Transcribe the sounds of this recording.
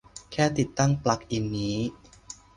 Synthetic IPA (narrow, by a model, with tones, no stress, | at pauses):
kʰɛː˥˩t̪i˨˩t̪ːa˥˩ŋpla˨˩k̚ʔi˨˩nːiː˦˥